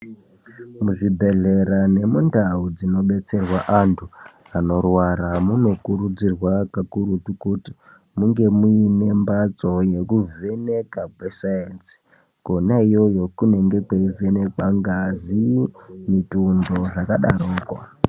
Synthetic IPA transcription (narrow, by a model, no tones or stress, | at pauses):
muʐibʱe̞ɮe̞ɾane̞mundaud͡zino̞ɓe̞t͡se̞rwaʔantʰu | ano̞rwaɾamuno̞kurud͡zirwakakuɾutukuti | muŋɡe̞muine̞mbat͡so̞je̞kuve̞ne̞kabʱwesaensi̥ | konaijo̞jo̞kune̞ŋɡe̞kweive̞ne̞kwaŋɡazimitundo̞ʐakaɗaɾoːko̰